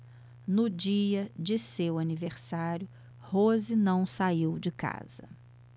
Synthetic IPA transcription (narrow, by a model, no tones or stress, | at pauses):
nʊd͡ʒiɐd͡ʒɪsewaniveɾsaɾjʊ | hozɪnɐ̃w̃saiwd͡ʒɪka̰z̥ɐ̰